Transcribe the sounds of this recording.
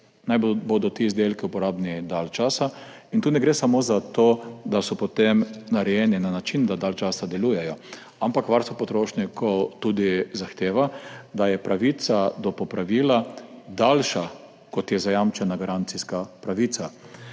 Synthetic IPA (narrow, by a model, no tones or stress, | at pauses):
najbboːd̪ɔt̪iːzd̪elkɛupɔɾaːbnid̪alt͡ʃaːsa | int̪uːnɛɡɾeːsamozat̪oːd̪asɔpɔt̪emnaɾɛjɛninanat͡ʃind̪ad̪alt͡ʃaːsad̪ɛlujɛjɔ | ampakʋaɾst̪ʋopɔt̪ɾoːʃnikʰɔwt̪uːd̪izaxt̪eːʋad̪ajɛpɾaʋit̪sad̪ɔpɔpɾaʋiːlad̪alʃa | kɔt̪jɛzajamt͡ʃɛnaɡaɾant̪siskapɾaʋit̪sa